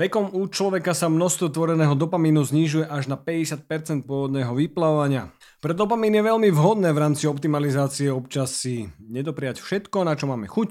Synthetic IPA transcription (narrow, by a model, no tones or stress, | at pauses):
ʋɛkɔmuːt͡ʃlɔʋɛkasamnɔst̪ʋɔt̪ʋɔɾɛnɛːɦɔd̪ɔpamiːnuzɲiʒujɛʔaʒnapɛɟɛsɪat̪̚pɛɾt͡sɛnt̪̚pʊɔʋɔd̪nɛːɦɔʋiplaɔʋaɲɪa | pɾɛd̪ɔpamiːnjɛʋɛʎmivɦɔd̪nɛːʋɾaːmt͡siɔpt̪imalizaːt͡siɛɔpt͡ʃasiɲɛd̪ɔpɾɛɪjacfʃɛt̪kɔnat͡ʃɔmaːmɛxuc